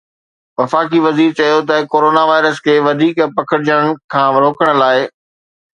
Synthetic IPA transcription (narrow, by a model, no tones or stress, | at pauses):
ʋɐfaːkiʋɐziːɾt͡ɕɐjot̪ɐkoːɾoːnaʋaːɪɾəskʰeːʋɐd̪ʱiːkpɐkʰəɽɪd͡ʑəɽ̃əɽ̃̆kʰãːɾoːkəɽ̃̆laːɪ